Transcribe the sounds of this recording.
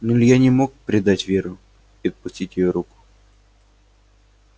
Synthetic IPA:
nʊlʲjanʲɪmo̞k̚pɾʲɪd̪atʲvʲeɾʊ | iɐt̪̚pʊsʲtʲitʲjɪjoɾukʊ̥

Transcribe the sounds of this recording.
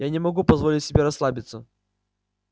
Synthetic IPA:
janʲɪmɐɡupɐzvolʲɪtʲsʲɪbʲeɾɐslˠabʲɪt̪sə

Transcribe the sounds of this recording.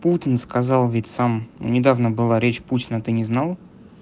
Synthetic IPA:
putʲɪnskɐzɑlˠvʲɪtʲsamnṵnʲɪd̪avnəbɨlˠaɾʲet͡ɕputʲɪnət̪ɨnʲɪznalˠ

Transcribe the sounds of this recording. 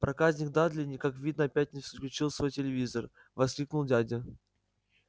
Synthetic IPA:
pɾʔɐkazʲnʲɪk̚d̪ad̪lʲɪnʲɪkakvʲid̪nəɐpʲæt̚ʲnʲɪfsə̥klʲʉt͡ɕilˠsvo̞jtʲɪlʲɪvʲizər | vɐsklʲiknʊlˠdʲadʲɪ

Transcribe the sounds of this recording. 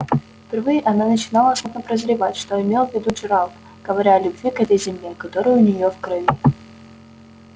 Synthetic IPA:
fpʲɪrvɨjɪʔɐnanət͡ɕɪnalˠəsud̪nəpɾəzɾʲɪvatʲʂt̪oɪmʲe̞lˠvʲɪd̪ud͡ʒɪɾalˠ | ɡ̥əvɐɾʲaɐlʲʊbvʲikɛt̪əjzʲɪmlʲekɐt̪oɾɨjʊʊnʲɪjofkɾɐvʲi

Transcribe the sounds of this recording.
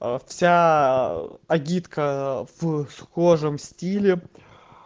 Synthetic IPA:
fsʲa | ɐɡʲit̪kəv̥sxoʐɨmsʲtʲilʲɪ

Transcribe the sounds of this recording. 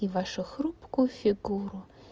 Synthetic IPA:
iʋaʃʊxɾupkʊfʲiɡuɾʊ

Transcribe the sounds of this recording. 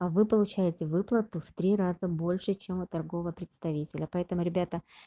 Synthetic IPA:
ɐvɨpəlˠʊt͡ɕæjɪtʲɪvɨplˠət̪ʊft̪ɾʲirazəbo̞lʲʂɨt͡ɕemʊt̪ːɐrɡo̞vəpɾʲɪt̪st̪ɐvʲitʲɪlʲəpɐɛt̪əmʊɾʲɪbʲat̪ə

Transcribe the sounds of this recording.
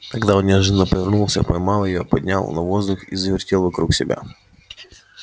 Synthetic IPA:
k̪ɐɡd̪aonnʲʐɨnːapəvʲɪrnulˠsʲəpɐjmɑlˠəjɪjopɐd̪ʲnʲa̰lˠnɐvo̞zd̪ʊxḭzəvʲɪrtʲelˠvɐkɾuksʲɪbʲa̰

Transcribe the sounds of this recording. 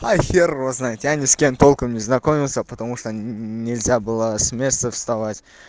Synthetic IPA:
ajxʲeɾoznajt̪ʲjanʲɪskʲe̞nt̪ʰo̞lˠkəmnʲɪznɐko̞mʲɪlˠsəpət̪ɐmuʂt̪onʲɪlʲzʲabɨlˠəsʲmʲe̞st̪əfst̪avatʲ

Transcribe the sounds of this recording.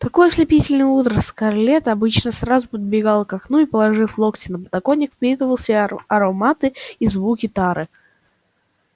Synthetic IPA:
t̪ɐko̞jslʲɪpʲitʲɪlʲnɨjut̪ɾəskɐrlʲet̪ɐbɨt͡ɕnəsrazʊpəd̪̚bʲɪɡalˠkɐknuɪpəlˠɐʐɨflˠoktʲɪnəpət̪ɐkonʲːɪkfpʲit̪ɨvəlˠsʲɪɐɾomat̪ɨizvukʲɪt̪aɾɨ

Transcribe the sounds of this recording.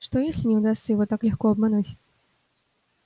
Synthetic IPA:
ʂt̪ɔjesʲlʲinʲɛwd̪ast̪səjivɔt̪aklʲɛxkɔɐbmanut͡sʲ

